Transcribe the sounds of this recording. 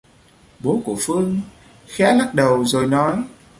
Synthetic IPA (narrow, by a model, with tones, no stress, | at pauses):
ɓo˨˦ku˧˩əfɨ˧əŋ | xɛ˨˦˥la˦˥t̚ɗə˨˩wzo˨˩jnɔ˨˦j